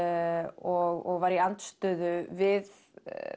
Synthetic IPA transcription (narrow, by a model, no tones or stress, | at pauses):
ɔɣɔ̰ɣvaɾiant̪st̪ʏːðʏvɪð